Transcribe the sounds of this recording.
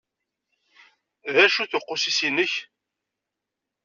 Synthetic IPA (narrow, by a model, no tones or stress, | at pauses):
ðæʃuθʊqːʊsisinəç